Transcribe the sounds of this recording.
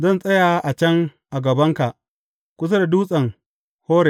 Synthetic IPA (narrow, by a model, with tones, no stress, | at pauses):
zɐ˦˨nsʼɐ˦jaː˨ʔa˨t͡ʃɐ˦ŋʔa˨ɡɐ˨bɐ˦ŋka˨ʔ | kʷʊ˦s̬ɐ˦da˨duː˦sʼɐ˨ŋ | hoː˦ɾe˨